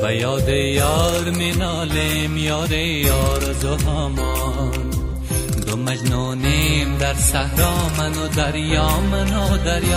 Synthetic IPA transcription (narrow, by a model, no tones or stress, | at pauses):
ʋajɔːd̪ejɔːɾmenɔːle | mjɔːɾe | jɔːɾzoɦɔːmɔ | n | d̪omad͡ʒno | nemd̪aɾsahɾɔːmanod̪aɾjɔːmanod̪aɾj